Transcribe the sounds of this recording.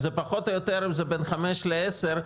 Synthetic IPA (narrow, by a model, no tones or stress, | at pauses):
zepaχot̪ojot̪eɾimzebenχameʃleeseʁ